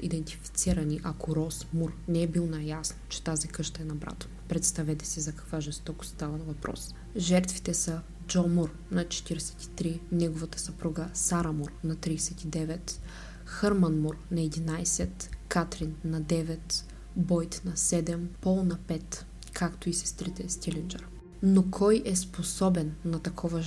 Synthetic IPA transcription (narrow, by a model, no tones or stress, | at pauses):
ḭd̪ɛnt̪i̥fi̥t̪siɾɐniʔɐkoɾɔsmuɾnɛɛbilˠonajasnt͡ʃɛ̥t̪azikɤʃt̪ɐɛnɐbɾa̰t̪ə̥pɾɛt̪st̪ɐvɛt̪ɛ̥sizɐkɐ̥kvaʒɛst̪ɔkʊ̥st̪avɐnvɐpɾɔ̰s | ʒɛɾt̪vi̥t̪ɛsɐ | d͡ʒɔmuɾ | nɐt͡ʃɛ̥t̪iɾɛsɛ̥t̪i̥t̪ɾinɛɡovɐt̪ə̥sɐpɾuɡəsaɾɐmuɾnɐt̪ɾiːsɛt̪id̪ɛvɛt̪ | xəɾmɐnmuɾnɐɛd̪inajsɛt̪kat̪ɾinːɐd̪ɛvɛt̪ | bɔjt̪nɐsɛd̪ɛmpɔlˠnɐpɛt̪ | kʰakt̪oisɛ̥st̪ɾit̪ɛst̪ilʲɛnd͡ʒɛɾ | nokʰɔjʔɛsposɔbɛnːɐt̪ɐkʰɔvə